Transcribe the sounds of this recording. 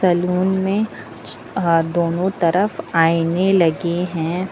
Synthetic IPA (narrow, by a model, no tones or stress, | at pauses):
sɐluːnmẽ | d̪oːnõt̪ɐɾəfaːinelɐɡeɦɛ̃